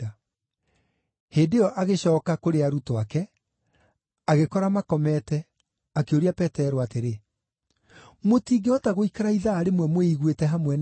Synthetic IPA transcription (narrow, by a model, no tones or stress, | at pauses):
a | heːndeɔʔaɣeɕɔːkakoɾeaɾutoakɛ | aɣekɔɾamakɔmɛtɛ | akeoɾiapɛtɛɾoateɾe | motiːɡeɔtaɣoikaɾaiðaːɾemwɛmweiɣwetɛɦamwɛn